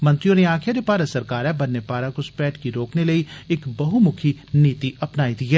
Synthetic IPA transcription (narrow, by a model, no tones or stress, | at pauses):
mɐ̃nt̪ɾijõneaːkʰjaɾepaːɾəsɐɾkaːɾɛbɐnːepaːɾakospɛːʈkiɾoːknelɐiɪkbɐɦumʊkʰiniːt̪iʔɐpnaːid̪iɦɛː